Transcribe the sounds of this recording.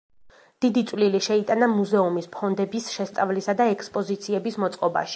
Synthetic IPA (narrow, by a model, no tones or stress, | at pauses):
d̪̥id̪it̪sʼwliliʃɛit̪ʼanamuzɛumispʰɔnd̪ɛbisʃɛst̪sʼavlisad̪aɛkʰspʼɔzit̪sʰiɛbismɔt̪sʼqʼɔba̰ʃi̥